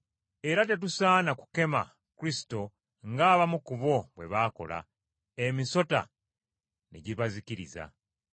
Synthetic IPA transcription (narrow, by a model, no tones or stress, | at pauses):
e̞ɾat̬e̞t̬usaːnaku̥ke̞ma̰ | kuɾisi̥to̞ | ŋɡaːβamukuβo̞βwe̞̰βaːko̞̰la̰ | emiso̞ta̰ | nḛɟiβaziciɾḭza̰